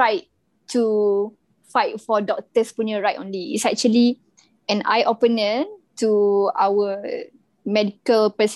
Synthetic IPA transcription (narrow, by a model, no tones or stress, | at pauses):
ajt | tʰu | fajt̚fɔdɔk̚təspunəɹajtɔ̃nliḭsɛk̚t͡ʃuəli | ɛ̃na̰jʔɔpənə̃ntuawə | mɛdikəlpəs